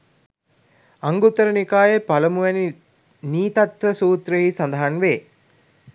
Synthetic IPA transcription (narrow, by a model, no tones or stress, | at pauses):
aŋɡut̪ːəɾənikaːjəpaləmuʋæni | niːt̪at̪ʋəsuːt̪ɾəɦisand̪əɦanʋeː